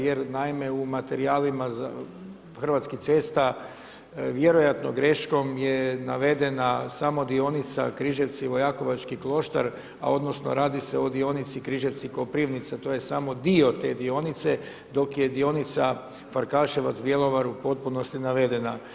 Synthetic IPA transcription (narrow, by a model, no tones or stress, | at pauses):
jeɾnaimeumat̪e̞ɾiaːlimaza | xr̩ʋat̪skit̪se̞ːst̪a | ʋje̞ɾo̞jat̪no̞̰ɡɾe̞ʃko̞mjenaʋe̞d̪e̞nasamo̞d̪io̞nit̪sa̰kɾiʒet̪siʋo̞jako̞ʋat͡ʃkiklˠo̞ʃt̪a̰ɾ | a̰o̞d̪no̞sno̰ɾaːd̪iseo̞d̪io̞nit̪sikɾiʒet̪sikopɾiʋnit̪sat̪ojesamo̞d̪io̞t̪e̞ːd̪io̞nit̪se | d̪o̞kje̞d̪io̞nit̪sa | faɾkaʃeʋat̪sbjelˠo̞ʋaɾupo̞t̪̚puno̞st̪inaʋe̞d̪e̞na